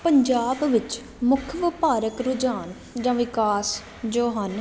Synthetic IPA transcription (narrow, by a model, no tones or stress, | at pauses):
pəɲd͡ʒaːbʋɪt͡ʃ | mʊkʰʋɪpaːɾəkɾʊd͡ʒaːn | d͡ʒãːʋɪkaːs | d͡ʒoːɦən